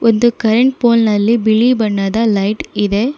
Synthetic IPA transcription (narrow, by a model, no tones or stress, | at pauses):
ʔond̪ukɐɾeɳʈ̚poːlnɐlːibiɭibɐɳːaːd̪ɐlɐjʈid̪e